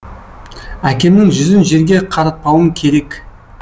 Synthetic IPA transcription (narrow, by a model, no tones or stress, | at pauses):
ækʲe̞mnɪŋʒʏzɪnʒe̞ɾɡʲe̞qʰɑɾɑt̪̚pɑwəŋkʲʰe̞ɾe̞k